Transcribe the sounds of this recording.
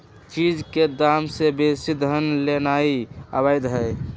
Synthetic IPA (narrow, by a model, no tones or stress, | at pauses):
t͡ʃid͡ʒked̪amsebisid̪ʱɦənlenaiəbajd̪ɦəɪ